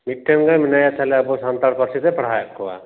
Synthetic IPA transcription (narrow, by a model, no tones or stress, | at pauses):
miʈʰːenɡaminajat͡ʃʰalɛabusant̪aɽkɔɾsid̪ɛpɽ̤ajɔʔkɔa̰